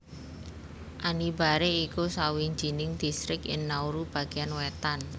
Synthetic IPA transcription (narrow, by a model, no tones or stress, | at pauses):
ʔanibaɾeikusawiɲd͡ʒinɪŋd̪̥ist̪ɾɪkɪnːauɾub̥a̤ɡ̥ianwɛt̪an